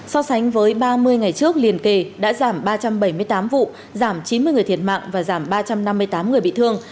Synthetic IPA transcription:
sɔ˧sa˨˦ŋ̟vəː˨˦jɓaː˧mɨ˧əjŋa˨˩jt͡ɕɨ˦˥ək̚li˨˩ənke˨˩ɗa̰ː˧˥zaː˧˩mɓaː˧t͡ɕa˧mɓə˧˩jmɨ˧əjt̪aː˨˦mvṵ˧˨ | zaː˧˩mt͡ɕi˨˦nmɨ˧əjɨ˨˩əjt̪ʰi˧˩ən̚ma̰ː˧˨ŋvaː˨˩zaː˧˩mɓaː˧t͡ɕa˧mna˧mːɨ˧əjt̪aː˨˦mŋɨ˨˩əjɓḭ˧˨t̪ʰɨ˧əŋ

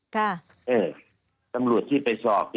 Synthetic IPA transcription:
kʰa˥˩ | ʔeː˨˩ | t̪a˧mɾu˨˩ət̪ʰːiː˥˩pa˧jsɔː˨˩p̚

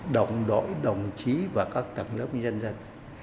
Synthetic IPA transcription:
ɗə˨˩wŋ͡mɗo̰˧˨jɗə˨˩wŋ͡mt͡ɕi˨˦vaː˨˩kaː˦˥k̚t̪ə˨˩ŋlə̰˦˥p̚ɲə˧nzə˧n

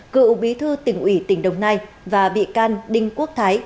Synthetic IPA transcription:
kɨ̰˧˨ɓi˨˦t̪ʰɨ˧t̪ï˨˩ŋ̟ʔwi˧˩t̪ï˧˩ŋ̟ɗə˨˩wŋ͡mnaː˧j | vaː˨˩ɓḭ˧˨kaː˧nɗï˧ŋ̟ku˦˥ək̚t̪ʰaː˨˦j

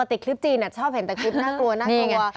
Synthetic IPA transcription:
t̪i˨˩kʰli˦˥p̚t͡ɕiː˧na˨˩t͡ɕʰɔː˥˩p̚he˩˦t̪ɛ˨˩kʰli˦˥p̚naː˥˩klu˧ɐnaː˥˩nː˧i˧ŋa˧˩˧

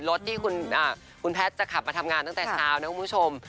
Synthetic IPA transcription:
lo˦˥t̪̚t̪ʰːiː˥˩kʰu˧nʔaː˨˩ | kʰu˧npʰɛː˦˥t̪̚t͡ɕa˨˩kʰa˨˩p̚maː˧t̪ʰa˧mŋaː˧nt̪a˥˩ŋt̪ɛː˨˩t͡ɕʰaː˦˥wna˦˥ku˩pʰu˥t͡ɕʰo˧m

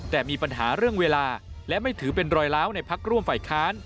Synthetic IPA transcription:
t̪ɛː˨˩miː˧pa˧nɦa̰ː˩˦ɾɯ˥˩əŋweː˧laː˧lɛ˦˥ma˥˩jt̪ʰɯː˩˦˥pe˧nɾɔː˧jlaː˦˥wna˧jpʰa˦˥k̚ɾu˥˩əmfaː˨˩jkʰaː˦˥n

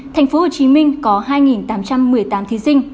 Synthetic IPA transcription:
t̪ʰɛ˨˩jŋ̟fo˨˦ho˨˩t͡ɕi˨˦mï˧ŋ̟kɔ˨˦ɦaː˧jŋi˨˩nt̪aː˨˦mt͡ɕa˧mːɨ˨˩əjt̪aː˨˦mt̪ʰi˨˦sï˧ŋ̟

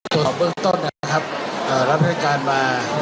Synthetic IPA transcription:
t̪o˨˩˨p̚bɯ˥˩˨ŋt̪o˥˩nːaː˧˩˥kʰa˦˥p̚ʔɤː˨˩ɾa˦˥p̚ha˥˩jkaː˧nmaː˧

